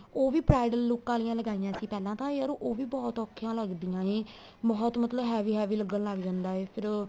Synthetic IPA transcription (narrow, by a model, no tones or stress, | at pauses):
oːʋiːpɾaːɪɖəlːoːkãːlɪjãːləɡaːijãːsiːpɛːlãːt̪ãːeəɾõːʔoːʋiːbɔːt̪ɔːkʰːjãːləɡd̪ijãːẽː | bɔːt̪mət̪ləbɦɛːʋiːɦɛːʋiːləɡəllaːɡd͡ʒãːnd̪aːeːpʰɪɾ